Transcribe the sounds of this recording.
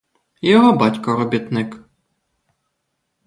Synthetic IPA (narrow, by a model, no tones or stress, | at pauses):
jɔɦɔbɑtʲkɔɾɔbʲit̪nɪk